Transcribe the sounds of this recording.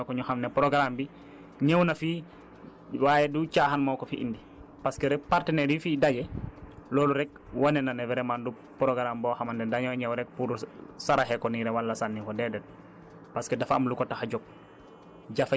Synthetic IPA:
kɔɲɔhamnɛpɾɔɡɾambi | ɲewnafiː | waːjɛdut͡ʃahanmawkɔfiʔḭndi | paskɛɾɛk̚paɾtɛnɛɾifiːdaɡɛlɔːluɾɛk̚wanɛnanɛvɛɾɛmandu | pɾɔɡɾambɔhamandɛndaɲawɲɛwɾɛk̚puɾsaɾaɦɛkɔniɾɛwalːasanːikɔdɛdɛd̚ | paskɛdafamlukɔtaxad͡ʒɔk̚ | ɟaf

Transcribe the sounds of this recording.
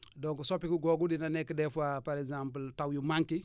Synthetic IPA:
doŋkusopikuɡoɡudinanekːidefuapaɾezãmpəltawjumaŋki

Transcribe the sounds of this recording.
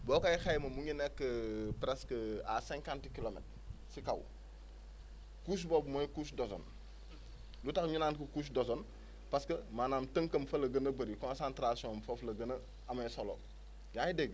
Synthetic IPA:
bɔːkajxajmɐmuɲinɛkːəpɾɛskəasɛ̃ŋkãntkilomɛ̰t̚ | sikɐw | kus̬bɔbmojkusdɔsɔ̰n | lutɐkɲunaːnkəkuːs̬dosɔn | paskəmaːnaːmtəŋkɐmfɐlɐɡɐnɐbɐɾikɔ̃nsãntɾasiɔ̃mfoflɐɡɐnɐ | ɐmɐsolɔ̰ | jaːjideɡ

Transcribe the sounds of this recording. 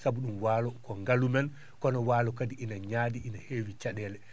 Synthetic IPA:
sabuɗumwaːlɔkɔŋɡalumɛn | kɔnɔwaːlɔkadiʔinaɲaːdiʔinaheːwit͡ʃaɗɛːlɛ

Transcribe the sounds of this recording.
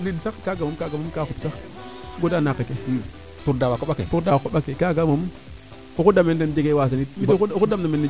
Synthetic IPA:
nidsakkaɡamumkaɡamumkakupsa | ɡodanakːeke | tuɾdawakoɓakḛfuɾdawakaɓakekaɡamom | ukudamentendiɡewas̬anit̚ikudamdameni

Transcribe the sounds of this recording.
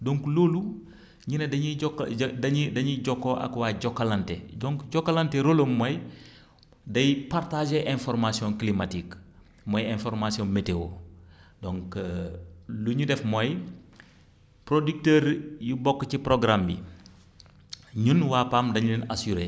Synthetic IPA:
doŋkloːlu | ɲinɛdɐɲiɔkdɐɲidɐɲuɟɔkːoʔa̰kwaɟɔkːalɐntḛɟɔŋkɟɔkːalanteɾolomːɔj | dɐjpartaʒeʔɛ̃nfɔɾmasiɔ̃ŋklimatik | mɔjɛ̃nfɔɾmasiɔnmetewo | dɔŋk | luɲudɛfmɔj | pɾodik̚teːɾjubɔkːcipɾoɡɾambḭ | ɲunwapaːmdɐɲulɛnasuɾe

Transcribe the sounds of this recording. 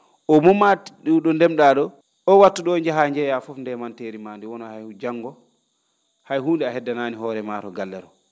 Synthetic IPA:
ʔɔmɔmatiɗuɗɔndɛmɗaɗɔ | ɔwatːuɗɔɲd͡ʒɛɦaɲd͡ʒɛjafɔfndɛmanteːɾimaːndiwɔnɔhajhud͡ʒaŋɡɔ | hajhuːndɛahɛdːanaːniɦɔːɾɛmaːtɔɡalːɛɾɔ

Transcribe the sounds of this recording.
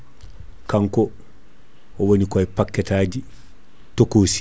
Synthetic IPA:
kaŋkɔ | owonikɔjpakːɛtaːɟi | tokoːsi̥

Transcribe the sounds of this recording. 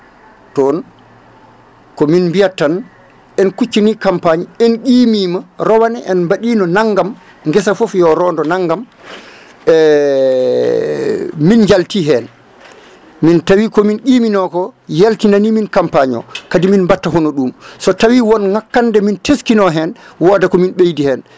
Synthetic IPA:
tɔn | kɔminmbijatːan | ɛnkut͡ʃːinikampaɲiɛnɡiːmiːmaɾɔwanɛʔɛnmbaɗiːnɔnaŋɡam | ŋɡɛsafofjɔɾɔːndɔnaŋɡam | ɛ | mind͡ʒaltiɦɛn | mintawikɔminɡiːminɔkɔjaltinaniminkampaɲɔ̰kadiminbatːaɦonɔɗumsɔtawiwɔnŋakːandɛmintʰeskinɔɦɛnwɔːdakɔminɓejdihɛn

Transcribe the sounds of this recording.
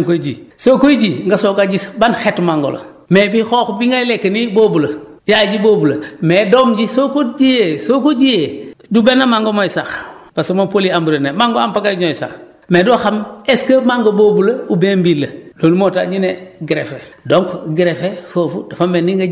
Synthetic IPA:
ŋkoɟisokojɟiŋɡasokaɟisbanxetmaŋɡo̰lo̰ | mebixoːkbiŋɡajlekːenibobulɐ | d͡ʒaɟiboːbulɐmeːdoːmɟisokod͡ʒijesokoɟijedubenːamaŋɡomojsaxb̥asomopoliambuɾenemaŋɡoampaɡaɲojsa̰x | meːdɔxameskəmaŋɡoboːbulɐubembilːɐloːnumota̰ɲineɡiɾefe | doŋkɡiɾefefofṵdafameniŋɡa

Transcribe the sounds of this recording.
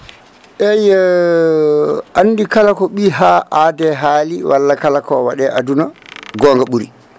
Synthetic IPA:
ʔɛj | ʔanːdikalakɔɓiːɦaʔaːdɛɦaːliwʔalːakalakɔwaɗɛʔadunaɡɔːŋɡaɓuɾḭ

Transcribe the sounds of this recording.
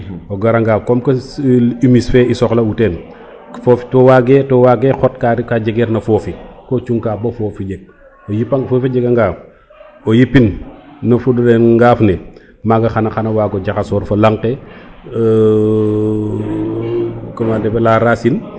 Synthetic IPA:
oɡɐɾaŋɡaːkɔmkɐimisfɛisɔxlɐutɛːn | fɔːfi̥tɔwaɡɛtɔwaɡɛxɔt̚kaɾikaɟɛɡɛɾnɐfɔːfikɔt͡ʃuŋkaːbofɔːfiɟɛɡ̚ | ojipːaŋfɔːfiɟɛɡaŋɡaːf | ojipːinnɐfuddɛnŋɡaːfnɛ | maɡɐxanɐxanɐwaːɡɔɟaxasɔːɾfɐlaŋkɛ | kɐmadɛbɛlaɾasin

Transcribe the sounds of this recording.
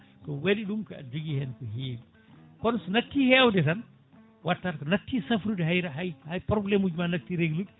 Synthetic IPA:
kɔwediɗumkɐa̰d͡ʒuɡihɛnkɔɦeːbi | kɔnsɔnak̚tːihɛːwdɛtɐn | watːatkɔnak̚tːisɐfɾudɦajɾaɦajhajpɾɔblɛmud͡ʒumanɐk̚tiɾeɡlud

